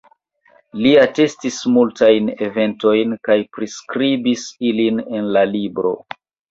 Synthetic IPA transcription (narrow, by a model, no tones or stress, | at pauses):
liate̞stismultajne̞ve̞nto̞jnkajpɾiskɾibisiline̞nlalibɾo̞̰